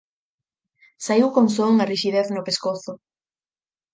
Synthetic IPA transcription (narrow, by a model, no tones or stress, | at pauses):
saiwkoŋsoŋariʃiðeθnʊpeskoθʊ